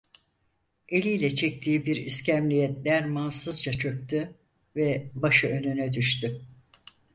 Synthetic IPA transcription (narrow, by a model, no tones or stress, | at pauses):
e̞lʲijlʲɛt͡ʃʰɛc̚t̪ʰiːbiɾiscʰæmlʲijɛt̪lʲæɾmansɯzd͡ʒat͡ʃʰø̞k̚ʲt̪ʰy | vɛbaʃɯø̞nynɛd̪yʃt̪y